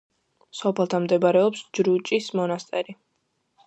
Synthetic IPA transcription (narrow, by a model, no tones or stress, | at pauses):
sɔpʰɛlˠt̪ʰamd̪ɛbaɾɛɔpsd͡ʒɾut͡ʃʼismɔnast̪ʼɛɾi